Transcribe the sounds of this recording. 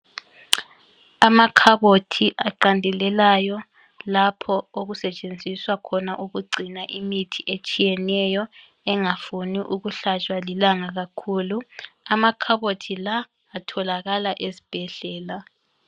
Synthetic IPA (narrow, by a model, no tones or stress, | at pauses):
amakʰaβotʰiʔaǃandʱɛlɛlajɔ | lapʰɔoɣusɛt͡ʃʼend͡zʱiswakʰɔnaʔuɣuɡ͡ǀʱinaʔimitʰiʔet͡ʃʼijɛnɛjɔ | ɛŋafuniʔuɣuɬat͡ʃʼwalilaŋaɣakʰuːluamakʰaβotʰilaː | tʰɔlaɣalaʔezib̥ʱɛɮ̥ɛːla